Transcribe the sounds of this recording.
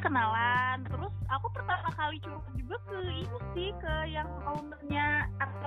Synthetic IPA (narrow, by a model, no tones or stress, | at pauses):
kənalant̪əɾʊsakupərt̪amakalit͡ʃuakad͡ʒuɡakəitussɪhkəjaŋkalumərɲaa